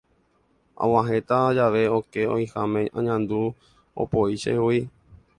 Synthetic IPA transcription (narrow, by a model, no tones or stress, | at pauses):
ã̰wãɦe̞t̪ad͡ʒaʋe̞okeo̰jhamẽã̰ɲãnd̪u | o̰poiʃḛhui